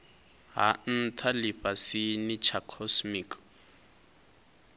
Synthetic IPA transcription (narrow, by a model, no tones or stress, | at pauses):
ɦa̰n̩tʰalɪfasɪnɪt͡ʃʰakʰɔsmiːkʰ